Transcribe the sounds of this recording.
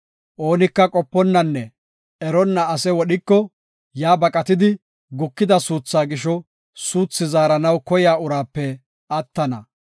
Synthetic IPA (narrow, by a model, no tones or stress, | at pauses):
ʔo̞ːnɪkːɐkʼɔpːɔnːɐnːɛ | ɛɾɔnːɐɐsɛwɔɗɪkːɔ | jaːbɐkʼɐt̪ɪd̪ɪ | ɡʊkːɪd̪ɐsuːt͡sːaːɡɪʃɔ | suːt͡sːɪzaːɾɐnɐwkɔjaːʊɾaːpːɛ | ɐt̪ːɐnɐ̰